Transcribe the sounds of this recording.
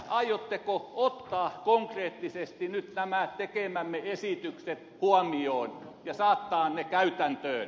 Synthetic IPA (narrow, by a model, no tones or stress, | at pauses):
ʔɑijot̪ːekoot̪ːɑːkoŋkreːt̪ːisest̪inyt̪næmæˑt̪ekemæmːeesit̪ykset̪huɑmioːnjɑsɑːt̪ːɑːnnekæyt̪ænt̪øːn